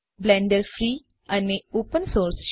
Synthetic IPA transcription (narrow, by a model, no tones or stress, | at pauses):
blɛ̃ɳɖəɾfɾiː | ɐneoːpə̃nsoːɾsʃ